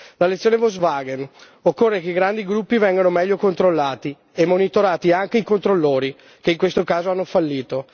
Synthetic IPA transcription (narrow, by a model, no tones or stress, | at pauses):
lalet̪sːjoːnevozvaːɡen | okːorːekeiɡɾand̪iɡɾupːivɛŋɡanomɛʎːokont̪ɾolːaːt̪i | emːonit̪oɾaːt̪iaŋk̟eikont̪ɾolːoːɾi | keiŋkwest̪okaːzoanːofalːiːt̪o